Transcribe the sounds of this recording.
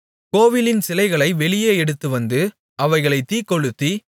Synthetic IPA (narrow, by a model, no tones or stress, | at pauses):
koːʋɪlɪnsɪlɐɪɣɐɭɐɪʋɛɭɪjeːɛɽɯt̪ːɯʋɐnd̪ɯ | ʔɐʋɐɪɣɐɭɐɪt̪iːkːɔɻɯt̪ːi